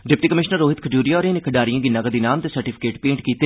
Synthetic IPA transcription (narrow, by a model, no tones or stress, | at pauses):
ɖɪp̚ʈiːkəmɪʃnəɾːoːɦɪt̪kʰəd͡ʒuːɾijaɔːɾeːnekʰəɖaːɾijãːɡinaɡəd̪iːnaːmt̪eːsəɾʈipʰɪ̥keːʈpẽːɳʈkiːt̪eː